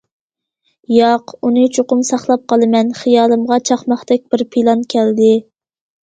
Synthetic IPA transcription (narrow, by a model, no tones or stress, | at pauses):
jɑqunɨt͡ʃʰoqʊmsɑχlˠɑp̚qʰɑlˠɨmɛnχijɑːlˠɨmʁɑt͡ʃʰɑχmɑχt̪ɛk̚ʲb̥ɪɾpʰilˠɑnkʲʰɛld̪ɪ